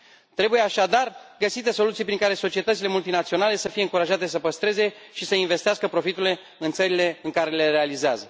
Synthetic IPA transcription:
t̪ɾe̞buje̞aʃad̪arɡəsit̪e̞so̞lut̪sijpɾiŋkaɾe̞so̞t͡ʃie̞t̪ət̪sile̞mult̪inat̪sio̞nale̞səfije̞ɨŋkuɾaʒat̪e̞s̬əpəst̪ɾe̞ze̞ʃisəinve̞st̪easkəpɾo̞fit̪ule̞ | ɨnt̪səɾile̞ɨŋkaɾe̞le̞ɾe̞alizeazə

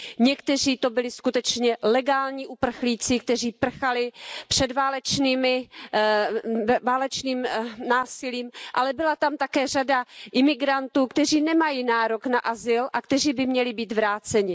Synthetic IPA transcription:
ɲɛkt̪ɛr̝iːt̪o̞bɪlɪskut̪ɛt͡ʃɲɛlɛɡaːlɲiːʔupr̩xliːt͡sɪk̚t̪ɛr̝iːpr̩xalɪpr̝̥ɛdvaːlɛt͡ʃniːmɪ | vaːlɛt͡ʃniːmnaːsɪliːmʔalɛbɪlat̪amt̪akɛːr̝adaʔɪmɪɡɾant̪uːkt̪ɛr̝iːnɛmajiːnaːɾoknaʔazɪlʔakt̪ɛriːbɪmɲɛlɪbiːt̪vɾaːt͡sɛɲɪ

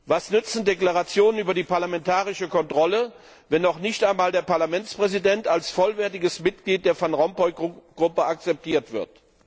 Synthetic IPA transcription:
vasnʏt͡sn̩deklaʁat͡sjoːnənyːbɐdiːpaɐlamɛntaːʁɪʃəkʰɔntʁ̥ɔlə | vɛnːɔχnɪçtaɪnmaːldeːɐpaɐlamɛnt͡spʁ̥ɛzidɛntalsfɔlvɛɐtɪɡəsmɪt̚ɡ̥liːt̚d̥eːɐfanʁɔmpɔʏɡ̥ʁʊpəak̚t͡sɛp̚tʰiːɐtv̥ɪɐt

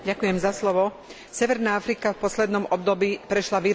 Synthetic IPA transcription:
ɟakujɛmzaslɔʋɔ | sɛʋɛɾnaːafɾikafpɔslɛd̪nɔmɔb̚d̪ɔbiːpɾɛʃlaʋi

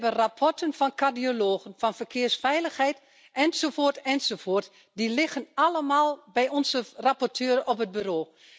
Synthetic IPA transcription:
bənrapʰɔrtənfɔnkʰardioloːɣənfɔnfərkʰɪːərsfɛjləxhɛjt | ʔɛnsoːfoːrtɛnsofoːrt | dilɪxənaləmalˠbɛjɔnzərapɔrtʰøːəɾəɔpɦəd̚byroː

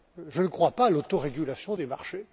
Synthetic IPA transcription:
ʒənəkχwapalot̪oʁeɡʲylasjɔ̃d̪ema̰ʁʃe

